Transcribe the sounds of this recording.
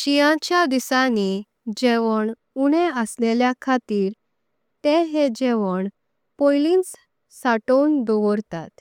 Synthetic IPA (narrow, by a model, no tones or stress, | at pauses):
ɕijãt͡ɕjad̪isani | d͡ʑeʋəɳ | uɽ̃eəsleljakʰat̪iːɾ | t̪eɦed͡ʑeʋəɳ | pojlins | saʈəwnd̪ɔʋɔɾt̪at̪